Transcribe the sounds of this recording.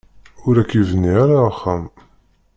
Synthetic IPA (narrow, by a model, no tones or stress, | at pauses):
ʊɾækːivənːiaɾaχːæm